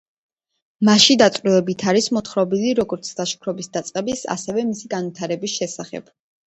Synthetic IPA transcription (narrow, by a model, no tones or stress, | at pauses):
maʃid̪at̪sʼɾivɛbit̪ʰaɾismɔt̪χɾɔbiliɾɔɡɔɾt̪sʰd̪aʃkʰɾɔbisd̪at̪sʼqʼɛbisa̰sɛvɛmisiɡanvwit̪ʰaɾɛbisʃɛsaχɛ̰b̥